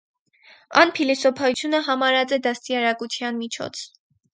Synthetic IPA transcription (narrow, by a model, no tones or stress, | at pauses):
ɑ̰npʰilisɔpʰɑut͡sʰjunəɦɑmɑɾɑt͡sɛd̪ɑst̪iɑɾɑkut͡sʰjɑnmit͡ʃʰɔ̰t͡sʰ